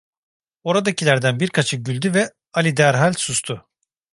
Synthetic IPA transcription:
o̞ɾad̪acilʲæɾd̪ænbiɾkʰat͡ʃʰɯɟylʲd̪yvɛ | alʲid̪æɾɦalʲsust̪ʰʊ

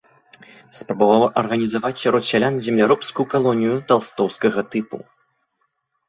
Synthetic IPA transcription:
spɾɐbavawɐʔɐrɣɐnʲizavat͡sʲaɾɔt̪sʲalʲanzʲɛmlʲaɾɔpskujukalˠɔnʲijut̪alˠst̪ɔwskɐɣɐt̪ɨpṵ

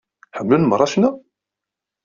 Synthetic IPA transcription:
ħəmlunmərˤːɑʃnæ

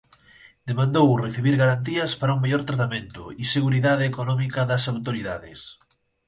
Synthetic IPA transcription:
d̪emãnd̪owreθiβiɾɣaɾant̪̬iɐspaɾɐuŋmeʎɔɾt̪ɾat̪amẽnt̪ʊ̰iseɣuɾiðaðeːkonɔmikɐðɐsawt̪oɾiðaðɪs

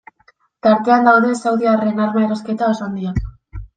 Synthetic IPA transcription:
t̪aɾt̪e̞and̪awðe̞sawðiare̞naɾmaeɾoske̞t̪aosand̪ia

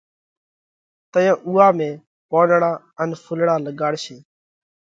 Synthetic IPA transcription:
t̪əjãːʔuːaːmẽː | poːnɳaː | ənfʰʊlɽaːləɡaːɽʃeː

